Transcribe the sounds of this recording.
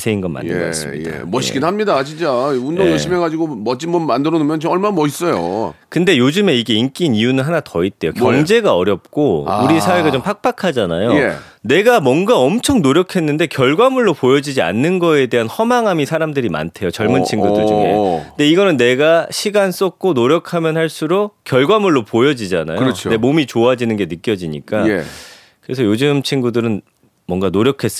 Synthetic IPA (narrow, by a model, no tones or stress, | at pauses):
sʰeinɡʌnma̰ndɯʌ̰s͈ɯmɲida̰mʌɕʰi̥kinɦamɲidat͡ɕint͡ɕ͈aundoŋjʌɕ͈imeɡad͡ʑiɡomʌt͡ɕ͈imbʌnmandɯɾʌnɯmjʌnt͡ɕʌɭmanamʌis͈ʌj̰o̰kɯnde̞jod͡ʑɯme̞iɡe̞ink͈iniunɯnɦanatʌit̚t͈e̞jokjʌŋd͡ʑe̞ɡaʌɾjʌp̚k͈ouɾisʰaweɡat͡ɕompʰak̚p͈akʰad͡ʑana̰joe | ne̞ɡamwʌnɡaʌmt͡ɕʰʌŋnoɾjʌkʰe̞nːɯnde̞kjʌɭɡwamuɭːopojʌd͡ʑid͡ʑia̰nːɯnɡʌe̞de̞ɦanhʌmaŋɦamisʰaɾamdɯɾima̰ntʰe̞jot͡ɕʌɭmɯnt͡ɕʰiŋɡudɯɭd͡ʑuŋḛnde̞iɡʌnɯnːe̞ɡaɕʰiɡans͈ʌk̚k͈onoɾjʌkʰamjʌnhaɭs͈uɾokjʌɭɡwamuɭːopojʌd͡ʑid͡ʑana̰jot͡ɕʰe̞momit͡ɕoad͡ʑinɯnɡe̞nɯk͈jʌd͡ʑiɲḭk͈a | kɯɾesʰʌjod͡ʑɯmt͡ɕʰiŋɡudɯɾɯn | mwʌŋɡanoɾjʌkʰe̞s͈